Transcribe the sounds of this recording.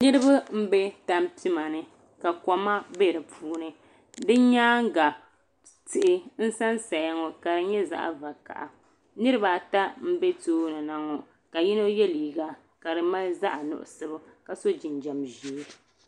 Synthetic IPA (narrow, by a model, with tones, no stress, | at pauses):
nɨ˦ɾɨ˦ba˦m̩˦be˦ta˦m˦pi˦ma˨nɨ˨ | ka˨kɔ˨ma˦be˦˨ɾɨ˨pʰuː˦nɨ˦ | dɨ˦ɲaː˦ŋ˦ɡa˨ | tɨ˨ʔɪ˦n̩˦sa˦nsa˨ja˦ŋo˨ka˨dɨ˨ɲɛ˦za̰˦ʔa̰˨va˨ka̰˨ʔa˨ | nɨ˦ɾɨ˦ba˨ta˦m̩˦be˦toː˦nɨ˨na˨ŋo˨ | ka˨ji˦no˦jɛ˦liː˨ɡa˦ | ka˨ɾɨ˨ma˦lza˦ʔa˨nʊ̰˦ʔʊ̰˨sɨ˦bɨ˦ | ka˨so˦d͡ʒɪ˨nd͡ʒa˨mʒi˨˦˨